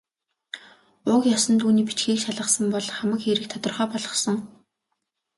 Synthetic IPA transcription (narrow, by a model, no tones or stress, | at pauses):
ʊkjɔsɞ̆nt̪uːniːpit͡ɕɡiːkʃaɮə̆χsə̆mpɔɮχamə̆kxeɾɘ̆k̚t̪ʰɔt̪ɞ̆rχœːpɔɮʁɞ̆sɞ̆ŋ